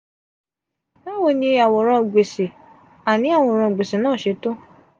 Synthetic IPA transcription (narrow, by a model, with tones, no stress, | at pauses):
na˦wo˦˨nĩ˧a˨wɔ˨ɾ̃ã˧˨ɡ͡be˨se˨ | a˨nĩ˨˦a˦˨wɔ̃˧˨ɾ̃ã˧˨ɡ͡be˨se˨nãː˦˨ʃe˧˦to˦